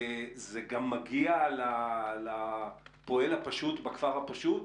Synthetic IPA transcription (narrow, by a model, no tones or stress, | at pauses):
zeɡamːaɡialalapo̞elhapaʃutbakfaʁhapaʃut